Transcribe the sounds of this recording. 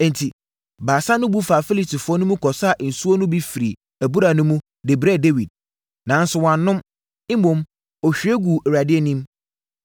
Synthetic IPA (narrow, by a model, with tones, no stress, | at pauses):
ɛ̃˨n̩˨tʰi˨ | baː˨sa˦nʊ̃˦bu˦fa˨fi˦li˨ti˨fʊ˨ɔ˦nʊ̃˦mũ˦kʰɔ˨sa˦˨ʔn̩˨su˦ɔ˦nʊ̃˦bi˦fi˨ɾi˨ | æ˨bu˦ɾa˨nʊ̃˦mũ˦ | de˨bɾɛ˦˨de˦wi˨d̚ | nã˨˦n˦sʊ˨wã˨nː˦ʊ̃˦m | ɪ̃˦mõ˨m | ɔ˨ɕᶣi˨˦e˦ɡu˨ɛ˨ɾa˨dɪ˦ɛ˦nĩ˦m